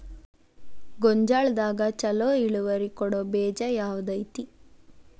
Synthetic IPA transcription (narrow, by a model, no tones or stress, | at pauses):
ɡɔɲd͡ʒaːɭd̪aːɡɐt͡ʃɐloːiɭuʋɐɾikɔɽobɛːd͡ʒɐjaːʋud̪ɐjt̪i